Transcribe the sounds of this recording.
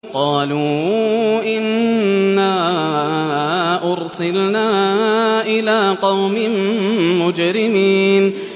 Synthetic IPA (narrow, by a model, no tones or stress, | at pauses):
qɑːluː | ʔɪnː | aː | ʔʊɾsɪlnaːʔɪlaːqɑwmɪmmʊd͡ʒɾɪmiːn